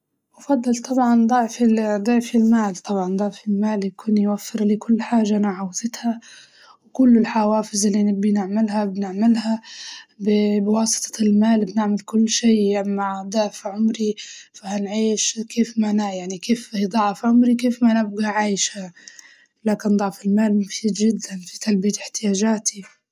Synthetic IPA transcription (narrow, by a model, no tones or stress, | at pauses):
ʔʊfɑd̪ˤːɨlt̪ˤʰɑbʕɑnd̪ˤɑʕfid̪ˤɑʕfilmaːlt̪ˤʰɑbʕɑnd̪ˤɑʕfɪlmaːljakuːnjwafːɪɾliːkʊlːħaːʒaʔnaʕawðɪt̪ha | wkʊlːɪlħawaːfɪzɪlːinɪbːinɪʕmɪlhabnɪʕmɪlhabɪbwɑːsɨ̥t̪ˤʰɑ̥lmaːlbnɪʕmalkʊlːʃeːamaʕd̪ˤaʕfʕʊmɾifahanʕiːʃkʰeːfmanajaʕnikeːfhid̪ˤɑʕfʕʊmɾikeːfmanɪb̚ɡaʕaːjʃha | laːkɪnd̪ˤɑʕfɪlmaːlmʊfiːd̪d͡ʒɪd̪ːanfit̪albijaɪħt̪ɪjaːʒaːt̪ʰi